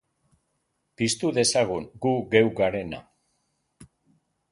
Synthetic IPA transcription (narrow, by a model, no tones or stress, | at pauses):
pist̪uðe̞saɣ̞uŋɡuɣe̞wɡaɾe̞na̰